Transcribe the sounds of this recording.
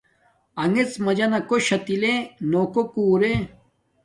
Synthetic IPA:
ɐŋet͡smɐd͡ʑɐnɐkoɕɐt̪ilenoːkokuːɾe

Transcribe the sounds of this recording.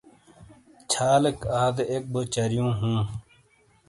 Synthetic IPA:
t͡ɕʰaːləkaːd̪ek̚bot͡ɕɐɾjũːɦũː

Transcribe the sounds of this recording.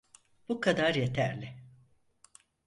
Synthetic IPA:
bukʰad̪aɾje̞t̪ʰæɾlʲɪ

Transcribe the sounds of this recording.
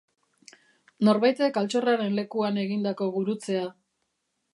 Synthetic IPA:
no̞ɾβajt̪e̞kalt͡so̞raɾe̞nle̞kuane̞ɣind̪ako̞ɣuɾut͡se̞a

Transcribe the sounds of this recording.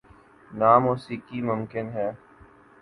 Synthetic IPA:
naːmuːsiːkiːmʊmkɪnɦɛː

